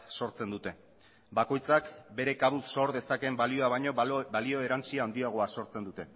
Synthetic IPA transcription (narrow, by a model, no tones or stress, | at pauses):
so̞ɾt͡se̞nd̪ut̪e̞ | bako̞jt͡sakbe̞ɾe̞kaβusːo̞ɾðe̞sake̞mbalio̞aβajɲo̞balio̞e̞ɾant͡siaːnd̪iaɣ̞o̞aso̞ɾt͡se̞nd̪ut̪e̞